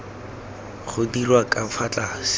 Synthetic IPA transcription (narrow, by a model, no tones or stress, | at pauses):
χʊdirwakʼafʰat͡ɬʼas